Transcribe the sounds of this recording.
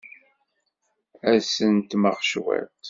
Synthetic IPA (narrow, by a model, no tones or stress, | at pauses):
æsənt̪məʁʃwæ̰t̪